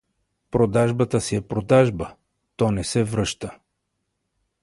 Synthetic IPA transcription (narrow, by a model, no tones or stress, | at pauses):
pɾod̪aʒbət̪əsiɛpɾod̪aʒbə | t̪ɔnɛsɛvɾɤʃt̪ə